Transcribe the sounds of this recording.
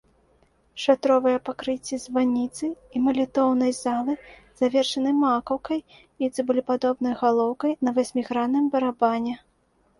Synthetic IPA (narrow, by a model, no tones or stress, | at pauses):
ʂat̪ɾɔvɨjɐpakɾɨt͡sʲːizʲvanʲit̪sɨimɐlʲit̪ɔwnɐjzalˠɨ | z̥avʲɛrʂɐnɨmakɐwkɐj | it̪sɨbɨlʲipad̪ɔbnɐjɣalˠɔwkɐjnɐvasʲmʲiɣɾanːɨmbɐɾabanʲɛ